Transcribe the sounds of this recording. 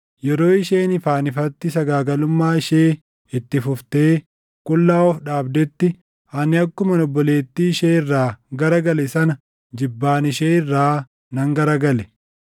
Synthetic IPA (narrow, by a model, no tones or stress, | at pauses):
jɛɾo̞ːɪʃeːnɪfaːnɪfɐt̪ːɪsɐɡaːɡɐlʊmːaːɪʃeː | ɪt̪ːɪfʊft̪e̞ː | kʼʊlːaːɔfᶑaːbd̪ɛt̪ːɪ | ɐnɪɐkːʊmɐnɔbːɔle̞ːt̪ːiːɪʃeːɪrːaːɡɐɾɐɡɐlɛsɐnɐ | d͡ʒɪbːaːnɪʃeːɪrːaː | nɐŋɡɐɾɐɡɐlɛ̥